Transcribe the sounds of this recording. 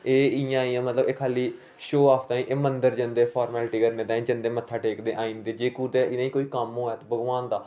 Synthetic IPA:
eːɪjãːiːãːmət̪ləbeːkʰaːliː | ʃoːaːpʰt̪ãːĩːʔeːmənd̪əɾd͡ʒənd̪eːpʰaːɾmɛːlʈiːkəɾneːt̪aːĩd͡ʒənd̪eːmət̪ʰːaːʈeːkd̪eːʔaːĩːnd̪eːd͡ʒeːkuːd̪eːɪnãːĩːkoːiːkəmoːɛːt̪ːbəɡʋaːnd̪aː

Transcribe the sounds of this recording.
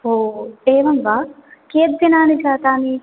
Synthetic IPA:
oeːʋɐŋʋaːkeːt̪̚binaːnit͡ʃaːt̪aːni

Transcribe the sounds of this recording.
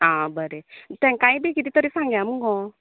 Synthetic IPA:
ãbəɾɛt̪ɛ̃ŋkaĩbekid̪it̪ɔɾisãŋɡjamuɡɔ

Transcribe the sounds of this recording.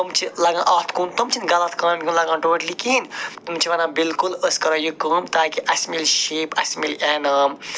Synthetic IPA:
ɐmt͡ʃʰilɐɡãːʔɐːt̪ʰkuːnt̪umt͡ʃʰinɡɐlɐt̪ʰkaːnɐnkʲunlɐɡãːnʈuʋɐʈlikinmt͡ʃʰiʋɐnaːbilkuləskɐɾɐjukːəːmt̪aːkiʔɐsʲmilʃiːpɐsmilʔaːnɐːm

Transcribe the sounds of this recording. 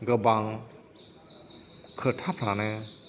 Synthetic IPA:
ɡəbaŋ | kʰətʰapʰɾanɛ

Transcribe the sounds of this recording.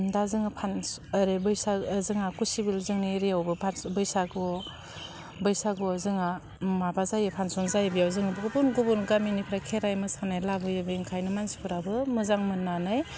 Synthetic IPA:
dazɯŋapʰanɾebɯjsazɯŋakusibilzɯŋniɾeawbɯpʰanbɯjsaɡɔ | bɯjsaɡɔzɯŋa | mabazajɯpʰansɔnzajebijawzɯŋɯbɯɡubunɡubunɡaminipʰɾakʰeɾajmɯsanajlabɯjɯbŋkʰajnɯmansi̥pʰɯɾabɯmɯzaŋmɯnanɯj

